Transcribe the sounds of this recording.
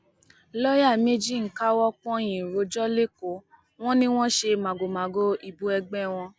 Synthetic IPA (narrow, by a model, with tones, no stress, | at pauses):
lɔ˦ja˦˨me˦d͡ʒi˦˨ŋ̩˨ka˦wɔ˦k͡pɔ̃˦j̃ĩ˨ɾo˨˧d͡ʒɔ˦le˦ko˨˦ | w̃ɔ̃˦nĩ˦w̃ɔ̃˦ʃe˧mã˨ɡo˨mã˨ɡo˦i˧bu˦ɛ˧ɡ͡bɛ˦w̃ɔ̃˧